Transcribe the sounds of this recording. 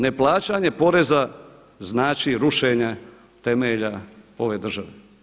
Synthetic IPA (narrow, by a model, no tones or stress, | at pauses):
ne̞plˠaːt͡ʃaɲe̞po̞ɾe̞za | znaːt͡ʃiɾuʃeɲa | t̪e̞meʎao̞ʋe̞ːd̪r̩ʒaʋe